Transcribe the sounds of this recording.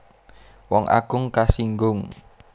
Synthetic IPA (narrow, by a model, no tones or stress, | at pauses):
wɔŋʔa̰ɡ̥ʊŋkasiŋɡʊŋ